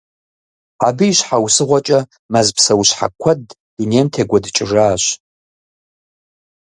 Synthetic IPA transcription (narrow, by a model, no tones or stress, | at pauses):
abiːʃħawsɨʁʷat͡ʃʼɐ | mazpʰsɐwʃħa̰kʷʰɐd | ineːmtʰeɡʷɐdt͡ʃʼɪʐaːʃʷ